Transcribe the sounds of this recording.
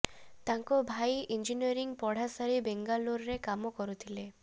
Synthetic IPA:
t̪aŋkɔbʱajind͡ʒiniɔɾiŋpɔɽ̤asaɾibeŋɡaluɾɾekamɔkɔɾut̪ʰile

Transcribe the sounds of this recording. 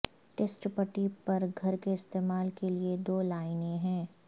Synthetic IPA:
ʈesʈpəʈipɐɾɡʱɐɾkeɪst̪eːmaːlkelied̪oːlaːɪnẽɦɛ̃ː

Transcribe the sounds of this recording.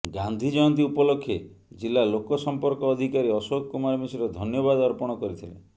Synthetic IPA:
ɡand̪ʱid͡ʒɔjɔnt̪̬iupɔlokʰːje | d͡ʒilːalokɔsɔmpɔɾkɔːd̪ʱikaɾiɔsokkumaɾɔmisiɾɔd̪ʱɔnjɔβad̪ɔɾpɔɽ̃ɔkɔɾit̪ʰilḛ

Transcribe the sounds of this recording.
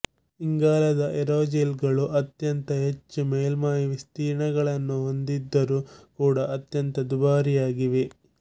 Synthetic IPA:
iŋɡaːlɐd̪ɐʔeɾoːd͡ʒelɡɐɭuʔɐt̪jɐnt̪ɐɦe̞t͡ʃːumeːlmaːjiʋist̪iːɾɳɐɡɐɭɐnːuɦo̞nd̪id̪ːɐɾukuːɽɐʔɐt̪jɐnt̪ɐd̪ubaːɾijaːɡiʋe

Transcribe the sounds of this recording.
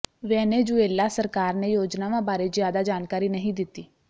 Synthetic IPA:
ʋɛ̃ːneːd͡ʒueːlːaːsəɾkaːɾnejoːd͡ʒnaːʋãːbaːɾeːd͡ʒjaːd̪aːd͡ʒaːnkaːɾiːnəɦĩːd̪ɪt̪ːiː

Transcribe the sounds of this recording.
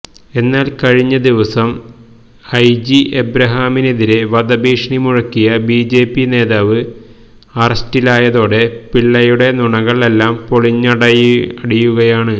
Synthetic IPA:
e̞nːaːlkɐɻiɲːɐd̪iʋɐsɐm | ɐjd͡ʑiʔebɾɐɦaːmine̞ðiɾe̞ʋɐd̪ɐbiːʂɳimuɻɐkːijɐbiːd͡ʑe̞ːpːine̞ːðaːʋɨ | ɐrɐstilaːjɐðo̞ːɽe̞piɭːɐjuɽe̞nuɳɐɣɐɭe̞lːaːmpo̞ɭiɲːɐɽɐjɐɽijuɣɐjaːɳɨ

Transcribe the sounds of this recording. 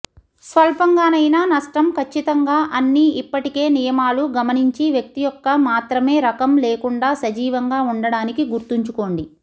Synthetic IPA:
sʋɐlpɐŋɡaːnɐjnaːnɐʂʈɐmkʰɐt͡ʃːit̪ɐŋɡaːʔɐnːiʔipːɐʈike̞ːnijɐmaːluɡɐmɐniɲt͡ʃiʋjɐk̚t̪ijɔkːɐmaːt̪ɾɐme̞ːɾɐkɐmleːkuɳɖaːsɐd͡ʒiːʋɐŋɡaːuɳɖɐɽaːnikiɡuɾt̪uɲt͡ʃuko̞ːɳɖi

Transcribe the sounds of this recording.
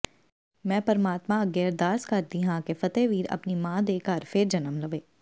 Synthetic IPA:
mɛ̃ːpəɾmaːt̪mãɐɡɛːɾd̪aːskɐɾd̪iɦãkefɐt̪eːʋiːɾɐ̰pnimãːd̪eːkaːɾfeːɾd͡ʒɐnəmləʋeː

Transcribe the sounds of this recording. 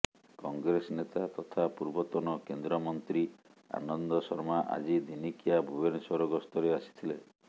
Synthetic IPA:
kɔŋɡɾesɔnet̪at̪ɔt̪ʰapuɾbɔt̪ɔnɔkend̪ɾɔmɔnt̪ɾia̰nɔnd̪ɔsɔɾmaʔa̰d͡ʒid̪inikijabʱubensɔɾɔɡɔst̪ɔɾeasi̥t̪ʰile

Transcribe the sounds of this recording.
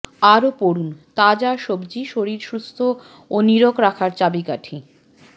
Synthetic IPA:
aɾopoɾunt̪ad͡ʑaʃobd͡ʑiʃoɾiɾʃɾust̪ʰo | oniɾokɾakʰaɾt͡ɕabikaʈʰi

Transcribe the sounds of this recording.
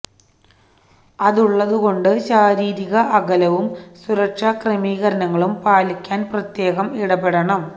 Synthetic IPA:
ɐðuɭːɐðuɣo̞ɳɖɨɕaːɾiːɾiɣɐʔɐɣɐlɐʋumsuɾɐkʂɐkremiːɣɐɾɐnɐŋːɐɭumpaːlikʲːaːnprɐt̪je̞ːɣɐmiɽɐbeɽɐɳɐm

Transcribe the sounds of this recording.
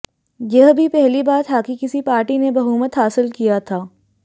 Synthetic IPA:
jɐɦbʱipɛɦlibaːt̪ɦaːkikɪsipaːɾʈinebɐɦuːmət̪ɦaːsɪlkijat̪ʰaː

